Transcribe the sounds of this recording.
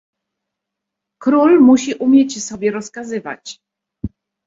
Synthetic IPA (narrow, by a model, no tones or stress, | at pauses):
kɾulmuɕiʔumʲjɛt͡ɕsɔbʲjɛɾɔskazɘva̰t͡ɕ